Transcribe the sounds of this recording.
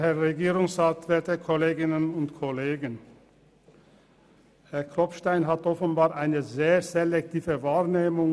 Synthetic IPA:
hɛɐʁeɡiːʁʊŋsʁatv̥ɛɐtəkʰɔleːɡɪnənʊntkʰɔleːɡən | hɛɐkʁɔpʃtaɪnɦatʔɔfənbaːʁʔaɪnəzeːzelɛk̚tʰiːvəvaːʁneːmʊŋ

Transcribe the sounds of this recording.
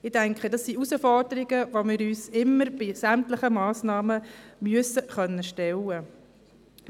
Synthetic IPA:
ɪdæŋkχədɑsːiusəfɔrd̥əɾɪɡəʋomɪːɾyːsɪmːəɾb̥ɪsæmt̪ləχəmɑːsnɑːməmyəsəχœnːəʃtɛlə

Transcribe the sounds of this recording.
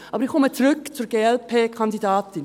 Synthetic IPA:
ʔɑːbəɾɪχkʰːɔmət͡suɾʏkt͡suɾɡeːɛlpʰeːkʰɑndidɑːtɪn

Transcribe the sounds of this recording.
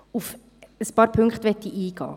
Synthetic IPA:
uf | əspɑːɾpʰʏŋkχt̪ʋɛtːiʔiːɡ̥ɑ̰ː

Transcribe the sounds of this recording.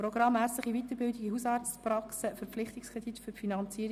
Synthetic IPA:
ɾoɡɾɑmhæːɾsləχivit̪əɾbɪldiɡihusɑːrt͡spɾɑksəfəɾflɪχt̪ɪkskʰʁed̥it̪fʏɾfinɑnt͡siːəɾ

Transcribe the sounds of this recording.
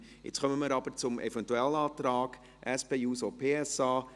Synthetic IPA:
ɪ̰t͡sχœməməɾɑb̥əɾt͡sʊmʔɛ̰vɛntuɛlɑːt̪ɾɑːɡ̥ | ʔɛspeːjuːsopʰeːɛsɑː

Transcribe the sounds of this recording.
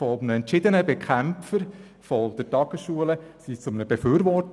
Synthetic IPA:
fɔmnəɛntʃɪd̪ənəbɛkʰχæmpfəɾ | fɔd̥̪ɛɾtɑɡ̥əsʃuələsit͡sʊmnəbeføːɾʋɔt

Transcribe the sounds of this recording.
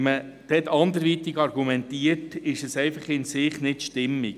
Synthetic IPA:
mə | d̪̥ɛt̪ɑnd̪əɾʋit̪iɡɑɾɡumɛnt̪iətɪʃɛsɛɪfɑχɪnsɪχnɪtʃtɪmːi

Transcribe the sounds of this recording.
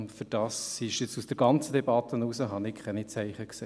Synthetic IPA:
fyd̥ɑːsiʃɪt͡susd̥əɾɡɑnt͡sədɛbɑt̪ənuːsəɦɑnɪkʰχɛnit͡sæɪχəkseː

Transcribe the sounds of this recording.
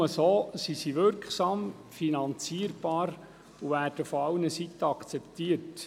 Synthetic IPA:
əsoːsisiʋʏɾkχsɑːm | finɑnt͡siəɾb̥ɑːɾ | uʋæːrd̥əfɔɑwnəsitːəɑkt͡sɛptiːərt

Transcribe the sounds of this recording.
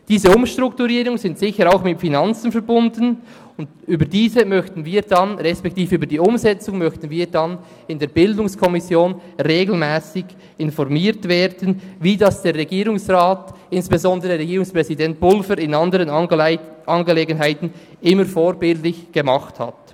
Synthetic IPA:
d̥iːzəʊmʃtʁ̥ʊktuʁiːɾʊŋzɪntsɪçəɾaʊxmɪmfinɑnt͡sn̩fɛɐbʊndən̩ | ʊnt | yːbədiːzəmœçtn̩viːd̥ɑnʁɛspɛktiːfəyːbədiːʊmzɛt͡sʊŋmœçtn̩viːdɑn | ɪndeːbɪldʊŋskʰɔmɪsjoːnʁeːɡl̩mɛːsɪɡ | ɪnfɔʁmiːtveːɾdənviːdɑsd̥eːɾʁɛɡiːɾʊŋsʁaːt | ɪnsb̥ezɔndəʁəʁɛɡiːʁʊŋspʁ̥ɛzidɛnt̚b̥ʊlfəɾɪnɑndəɾən | ʔɑnɡəleːɡənɦaɪtn̩ | ʔɪməfoːɾbɪltlɪçɡ̥əmɑχtha̰t

